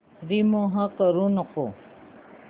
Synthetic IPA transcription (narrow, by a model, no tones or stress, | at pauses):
ɾimoɦə̃kəɾũnɔko̰